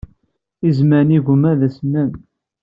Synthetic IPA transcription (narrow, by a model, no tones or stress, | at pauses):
izmæɾniɣʷʊmæðæsmæn